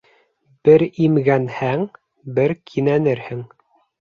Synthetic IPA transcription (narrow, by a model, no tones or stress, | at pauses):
b̥ɘɾimɡænhæŋ | bɘɾkʰinænɘɾhɘŋ